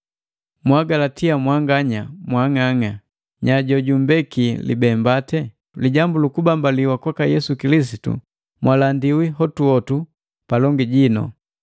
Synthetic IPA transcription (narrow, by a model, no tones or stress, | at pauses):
mwaɡalatiamwaŋɡaɲamwaŋaŋa | ɲaɟɔɟumbɛkilḭbɛmbatɛ | liɟambulukubambaliwakwakajɛsukilis̬itṵ | mwʔalandiwiɦɔtuɔtu | palɔŋɡiɟinɔ̰